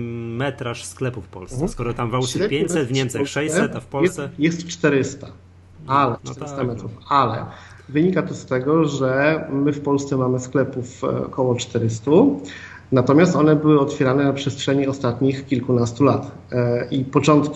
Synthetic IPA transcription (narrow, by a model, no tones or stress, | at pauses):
mɛt̪ɾaʂsklɛpufpɔ̰lsskɔɾɔt̪amvawɕd̪ɛpjeɲsɛt̪vɲɛmt͡sɛʂɛjɛɛfpɔjɛsjɛst̪t͡ʂt̪ɛɾɘst̪a | alɛɛɾst̪amɛt̪ɾufalɛ̰ | vɘɲikat̪ɔst̪ɛɡɔʐɛmɘfpɔlst̪sɛmamɘsklɛpufkɔwɔt͡ʂt̪ɛɾɘst̪u | nat̪ɔmʲjast̪ɔnɛbɘwɘɔt̪fʲjɛɾanɛnapʂɛstʂɛɲiɔst̪at̪ɲixkʲilkunast̪ulat̪ | ipɔt͡ʂɔnt̪k